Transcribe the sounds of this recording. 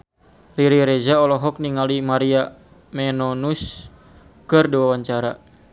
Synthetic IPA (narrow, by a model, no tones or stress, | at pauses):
liɾiɾɛd͡ʒaɔlɔɦɔk̚niŋalimaɾia | mɛnɔnus | kɨrdiwawaɲt͡ʃaɾa̰